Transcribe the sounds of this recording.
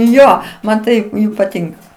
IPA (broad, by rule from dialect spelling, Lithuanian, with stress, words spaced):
ˈjoː ˈmɐn tɐɪ pɐˈtʲɪŋkɐ